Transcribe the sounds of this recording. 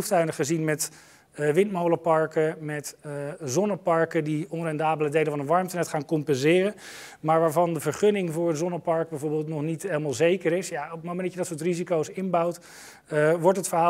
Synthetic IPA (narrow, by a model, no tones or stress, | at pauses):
ftœɥnəχəzinmɛt | ʋɪntmowləpɑɹkəmɛtzɔnəpɑɹkədiɔnrɛndaːbələdejləvɑnənʋɑɹmtənɛtχaːnkɔmpɛnzɪːɾən | maːɹʋaːɹvɑndəvəɹχɵnɪŋvʊːɹətzɔnəpɑɹk̚bɛjvoːɹbɪːlˠtnɔχniteːləmaːlˠzejkəɾɪsjaɔpətmowmɛndjədɑtsʊːɹtrizikowsɪnbawt | ʋɔɹtɦətfəɹɦaː